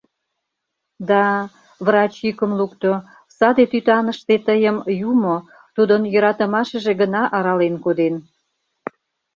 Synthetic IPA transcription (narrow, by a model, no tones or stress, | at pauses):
d̪ɑ | βrɑt͡ɕjikə̆mlukt̪o | sɑd̪et̪yt̪ɑnəʃt̪et̪əjəmjumo | t̪ud̪ənjə̆ɾɑt̪ə̆mɑʃə̆ʒeɡənɑʔɑɾɑlenkod̪en